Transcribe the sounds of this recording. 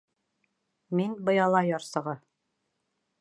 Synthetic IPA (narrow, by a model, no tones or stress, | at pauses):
minbɤ̆jɑlˠɑjɑɾsɤ̆ʁɤ